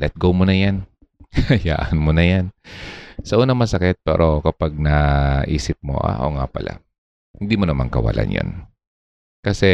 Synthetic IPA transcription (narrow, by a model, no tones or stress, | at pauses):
lɛt̪̚ɡowmonɐjan | ɐja̰ːʔɐnmonɐjan | sɐʔuːnɐŋmɐsɐkɛt̪̚pɛ̰ːɾʔo̞kɐpaɡ̚nɐʔiːsɪp̚mo̰ʔa̰ʔo̰ŋapɐla̰ | hɪnd̪imonɐma̰ŋkɐwɐ̰lʔa̰njo̰n | kɐsɛ